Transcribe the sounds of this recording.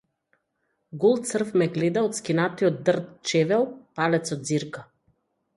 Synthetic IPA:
ɡulˠt̪sr̩fmɛɡlɛd̪aɔt̪skinat̪iɔd̪̚d̪rt̪t͡ʃɛvɛlˠpalɛt̪sɔd̪ziɾka

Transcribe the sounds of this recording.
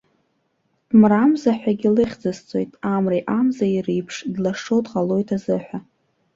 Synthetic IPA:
d̥mramzaħʷᶣaɡʲɪlɨχʲd͡zɨst͡sʼo̞jtʼamriʔamzairijpʰʂdlaʂowdʁalo̞jtʰazɨħʷᶣa

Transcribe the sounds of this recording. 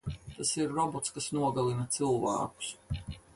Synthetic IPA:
t̪asiɾːɔbɔt̪skasnuɔɡalˠinɐt̪sɨlˠvæ̰ːku̥s

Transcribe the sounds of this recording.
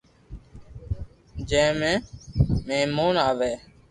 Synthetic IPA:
d͡ʒẽːmẽːmẽːmuːnaːʋeː

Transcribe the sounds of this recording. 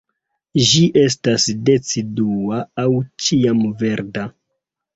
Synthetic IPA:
ʒiʔe̞s̬tasde̞t͡siduaːwt͡ʃiamve̞ɾda

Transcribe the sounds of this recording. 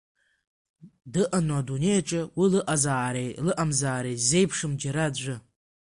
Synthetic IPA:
dɨʔanwadune̞jʈ͡ʂʼɪwilɨʔazaːɾejlɨʔamzaːɾejze̞jpʰʂɨmd͡ʒaɾad͡ʒʷɨ

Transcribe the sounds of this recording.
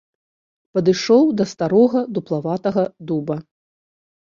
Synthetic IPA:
pɐd̪ɨʂɔwd̪ɐst̪aɾɔɣɐd̪uplˠavat̪ɐɣɐd̪ubɐ

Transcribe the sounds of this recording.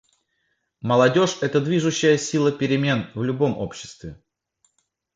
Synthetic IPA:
məlˠɐdʲo̞ʂɛt̪əd̪vʲiʐʊɕːɪjəsʲilˠəpʲɪɾʲɪmʲe̞nvlʲʊbo̞mo̞̰pɕːɪ̥st̪vʲɪ

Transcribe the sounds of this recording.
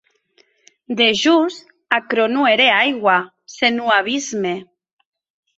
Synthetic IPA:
d̪eʒus | akɾonueɾeajɣwa | senuaβ̞izme

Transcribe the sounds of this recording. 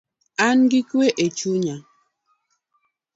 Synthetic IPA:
anɡikeʔet͡ʃuɲa

